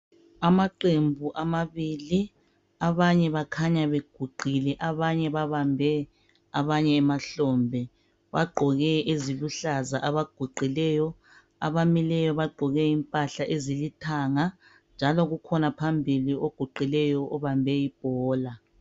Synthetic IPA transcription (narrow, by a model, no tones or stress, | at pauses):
amaǃembʱuʔamaβili | aβaɲɛβakʰaɲaβeɡ̥ʱuɡ͡ǃʱilɛʔaβaɲɛβaβambʱɛ | aβaɲɛːmaɬɔːmbʱɛ | βa̰ɡ͡ǃʱɔɣɛeziβuɬazaʔaβaɡ̥ʱuǃʱilɛjɔ | a̰βamilɛjɔβaɡ͡ǃʱɔɣɛimpʼaɬaʔezilitʰaːŋa | nd͡ʒʱalɔɣukʰɔnapʰambʱilioɡ̥ʱuǃilɛjɔʔɔβambʱɛib̥ʱɔːla